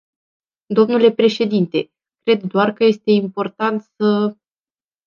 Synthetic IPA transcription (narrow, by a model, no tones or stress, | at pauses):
d̪o̞mnule̞pɾe̞ʃe̞d̪int̪e̞ | kɾe̞d̪ːoarkəje̞st̪e̞impo̞rt̪ant̪sə